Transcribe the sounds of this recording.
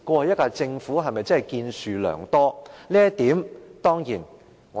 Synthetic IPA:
kʷɔː˧hɐ˨jɐ˥t̚kaː˧t͡sɪ˧ŋfuː˨˥ɦɐ˨jmɐ˨jt͡sɐ˥ɦɐ˨˩jkiː˧nsyː˨lœ̰ː˨˩ŋt̪ɔː˥liː˥ɐ˥t̪iː˨˥mt̪ɔː˥ŋjiː˨˩n | ŋɔ˨

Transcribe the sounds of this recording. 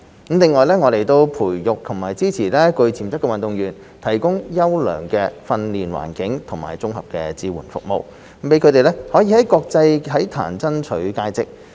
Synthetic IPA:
lɪ˨˧ŋːɔː˨jlɛː˥ŋɔː˨˧le˨jt̪o˧wpʰuː˨˩jjʊ˨k̚t̪ʰʊ˨˩ŋmaː˨jt͡siː˥t͡sʰiː˨˩lɛː˥kɵ˧ɥt͡sʰiː˨˩mt͡sɐ˥kːɛ˧wɐ˨nt̪ʊ˨ŋjyː˨˩n | t̪ʰɐ˨˩jkʊ˥ŋjɐ˥wlœ̰ː˨˩ŋkɛː˧fɐ˧nliː˨nwa̰ː˨˩nkɪ˨˥ŋt̪ʰʊ˨˩ŋma̰ː˨jt͡sʊ˥ŋhɐ˨p̚kɛ̰ː˧t͡siː˧wṵː˨˩nfʊ̰˨k̚mo̰˨˧w̩˧˥ | pe˨˥jkʰɵ˨˧t̪e˨jlɛ˥hɔː˨˥jiː˧hɐ˨˥jkɔː˧k̚t͡sɐ˧jhɐ˨˥jt̪ʰa̰ː˨˩nt͡sɐ˥nt͡ʃʰɵ˨˥ɥkaː˧jt͡sɪ˨k̚

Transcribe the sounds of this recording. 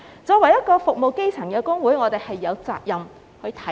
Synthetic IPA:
t͡sɔː˧kwɐ˨˩jɐ˥t̚kɔː˧fʊ˨k̚mo˨wke˥jt͡sʰɐ˨˩ŋkɛː˧kʊ˥ŋwuː˨˥jŋɔː˨˧t̪e˨jhɐ˨jːɐ˨˧wt͡sa̰ː˧k̚jɐ˨m | hɵ˧ɥt̪ʰɐ˨˥

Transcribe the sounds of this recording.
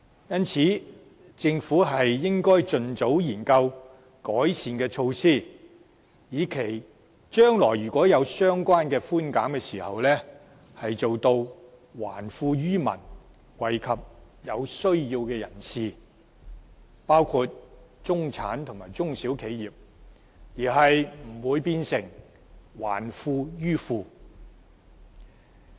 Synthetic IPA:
jɐ˥nt͡sʰiː˨˥ | t͡sɪ˧ŋfuː˨˥ɦɐ˨jːɪ˥ŋkɔː˥jt͡sɵ˨nt͡so˨˥wjiː˨˩nkɐ˧w | kɔː˨˥jsiː˨nkɛː˧t͡ʃʰo˧wsiː˥˩ | jiː˨˧kʰe˨˩j | t͡ʃœː˥ŋlɔ̰ː˨˩jyː˨˩kʷɔː˨˥jɐ˨˧wsœː˥ŋkʷaː˥nkɛː˧fuː˥nkaː˨˥mkɛː˧siː˨˩hɐ̰˨wlɛː˥ | hɐ˨jt͡so˨wt̪o˧w | wa̰ː˨˩nfuː˧ɥyː˥mɐ̰˨˩n | wɐ˨˩jkʰɐ˨p̚ | jɐ˨˧wsɵ˥ɥji˧wkɛː˧jɐ˨˩nsiː˨ | paː˥wkʰuː˧t̚t͡ʃʊ˥ŋt͡sʰa̰ː˨˥nt̪ʰʊ˨˩ŋmaː˨˩jt͡sʊ˥ŋsi˨˥wkʰe˨˥jjiː˨p̚ | jiː˨˩ɦɐ˨jm̩˨˩wuː˨˧jpiː˧nsɪ˨˩ŋ | wa̰ː˨˩nfuː˧jyː˥fuː˧

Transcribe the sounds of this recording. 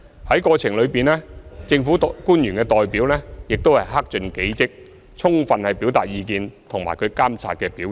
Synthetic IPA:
hɐ˨˥jkɔː˧t͡sʰɪ˨˩ŋlɵ˨˧ɥpiː˨nlɛː˥t͡sɪ˧ŋfuː˨˥kuː˥njyː˨˩nkɛː˧t̪ɔː˨jpiː˨˥wlɛː˥jɪ˨k̚t̪o˥whɐ˨jɦaː˥k̚t͡ʃɵ˧nke˨˥jt͡sɪ˥k̚ | t͡sʰʊ˥ŋfɐ˧nhɐ˨˩jpiː˨˥wt̪aː˨t̚jiː˧kiː˧nt̪ʰʊ˨˩ŋma̰ː˨˩kʰɵ˨˧kaː˥mt͡sʰa̰ː˧t̚kɛː˧piː˨˥

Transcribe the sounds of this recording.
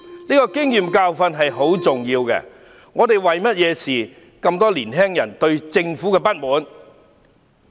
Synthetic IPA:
niː˥kɔː˧kɪ˥ŋjiː˨mkaː˧wfɐ˧nɦɐ˨jɦo˨˥wt͡sʊ˨ŋjiː˧wkɛ̰˧ | ŋɔː˨˧t̪e˨jwɐ˨jmɐ˥t̚jɛː˨˧siː˨˩ | kɐ˧mt̪ɔː˥liː˨˩nɦɛː˥ŋjɐ˨˩nt̪ɵ˧ɥt͡sɪ˧ŋfuː˨˥kɛː˧pɐ˥t̚muː˨˥n

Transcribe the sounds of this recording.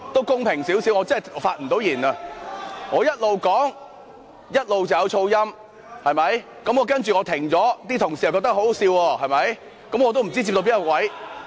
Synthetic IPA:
t̪o˥wkʊ˥ŋpʰɪ˨˩ŋsiː˨˥wsiː˨˥wŋɔː˨˧t͡sɐ˥ɐ˨˩˨faː˧t̚m̩˨˩t̪o˨˧˥wjiː˨˩nɐ˧ | ŋɔː˨˧jɐ˥t̚lo˨wkɔː˨˥ŋ | jɐ˥t̚lo˨wt͡sɐ˨wjɐ˨˧wt͡ʃʰo˧wjɐ˥m | hɐ˨jmɐ˨˥j | kɐ˨˥mŋɔː˨˧kɐ˥nt͡ʃy˨ŋɔː˨˧t̪ʰɪ˨˩ŋt͡sɔː˨˥t̪iː˥t̪ʰʊ˨˩ŋsi˨˩ɐ˨wkɔ˧˥t̪ɐ˥ho˨˥siː˧wɔː˧hɐ˨˩jmɐ˨˥j | kɐ˨˥mŋɔː˨˧t̪̬o˥m̩˨˩t͡siː˥t͡s̬i˧p̚t̪o˧piː˨˥ŋkɔ˥˧˩kwɐ˨˥j

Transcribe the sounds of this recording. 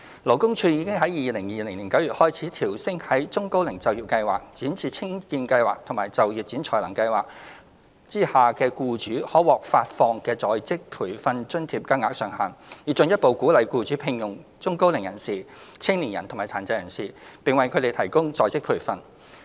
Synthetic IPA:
lo˨˩kʊ˥ŋt͡ʃʰyː˧jiː˨˧˥kɪ˥ŋɦɐ˨˥jiː˨˧lɪ˨˩ŋjiː˨lɪ˨˩ŋliː˨˩nkɐ˨˥wjyː˨t̚hɔː˥jt͡sʰiː˨˥t̪ʰiː˨˩wsɪ˥ŋhɐ˨˥jt͡sʊ˥ŋko˥wlɪ˨˩ŋt͡sɐ˨wjiː˨˩pkɐ˧jwaː˨k̚t͡siː˨˥nt͡sʰiː˧t͡sʰɪ˥ŋkiː˧nkɐ˧jwa̰ː˨k̚t̪ʰʊ˨˩maː˨˩jt͡sɐ˨wjiː˨p̚t͡siː˨˥nt͡ʃʰɔː˨˩jlɐ̰˨˩ŋkɐ˧jwa̰ː˨k̚ | t͡siː˥haː˨kɛː˧kuː˧t͡ʃyː˨˥hɔː˨˥wɔː˨k̚faː˧t̚fɔː˧ŋkɛː˧t͡sɔː˨˧jt͡sɪ˥k̚pʰuː˨˩jfɐ˧nt͡ʃɵ˥nt̪ʰiː˧p̚kaː˥ŋaː˧˥k̚sœː˨˩ŋhaː˨njiː˨˧t͡sɵ˨˧njɐ˥t̚po˨˧wkuː˨˥lɐ˨˧jkuː˧t͡ʃyː˨˥pʰɪ˨˧ŋjʊ˨˩ŋt͡sʊ˥ŋko˥wlɪ˨˩ŋjɐ̰˨˩nsiː˨t͡sʰɪ˥ŋliː˨˩jɐ˨˩nt̪ʰʊ˨˩ŋmaː˨˩t͡sʰaː˨˩nt͡sɐ˧jɐ˨˩nsiː˨pɪ˨ŋwɐ˨jkʰɵ˨˧ɾe˨jt̪ʰɐ˨˩jkʊ˥ŋt͡sɔː˧jt͡sɪ˥k̚pʰuː˨˩jfɐ˧n

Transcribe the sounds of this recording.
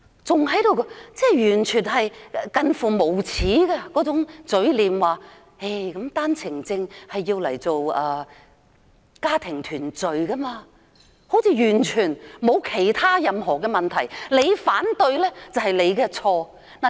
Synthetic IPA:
t͡sʊ˨ŋɦɐ˨˥jt̪o˨˧wkɔ˧t͡sɛː˥˩jyː˨˩nt͡ʃʰyː˨˩nɦɐ˨jkɐ˧nfuː˨mo˨˩wt͡sʰiː˨˥kɛː˧kɔː˨˥t͡sʊ˨˥ŋt͡sɵ˨˥ɥliː˨˧mwaː˨˩ | e˥˩jkɐ˨˥mt̪aː˥nt͡sʰɪ˨˩ŋt͡sɪ˧ŋhɐ˨jːiː˧wlɐ˨˩jt͡so˨wɐː˧˩ | kaː˥t̪ʰɪ˨˩ŋt̪ʰyː˨˩nt͡sɵ˨ɥkɐ˥maː˧ | ho˨˥wt͡sʰiː˧jyː˨˩nt͡ʃʰyː˨˩nmo˨˧wkʰe˨˩jt̪ʰaː˥jɐ˨mɦɔː˨˩kɛː˧mɐ˨nt̪ʰɐ˨˩jle˨˧jfaː˨˥nt̪ɵ˧ɥlɛː˥t͡sɐ˨˩whɐ˨jle˨˧jkɛ˧t͡sʰɔː˧ | na˨

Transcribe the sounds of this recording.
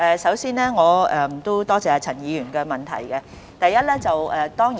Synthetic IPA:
ʔɛː˨sɐ˨˥wsiː˥nɛː˥ŋɔː˨˧ɛ˨˧m̩˨˩t̪o˥wt̪ɔː˥t͡sɛː˧a˧t͡sʰɐ˨˩njiː˨˧jyː˨˩nkɛː˧mɐ˨˩nt̪ʰɐ̰˨˩jkɛ˧ | t̪ɐ˨jːɐ˥t̚lɛː˥t͡sɐ˨wɛː˨t̪ɔː˥ŋji˨

